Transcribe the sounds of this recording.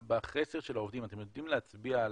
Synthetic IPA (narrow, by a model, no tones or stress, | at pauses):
baχeseʁʃelaovd̪imat̪emjo̞d̪imleat͡sbiaːl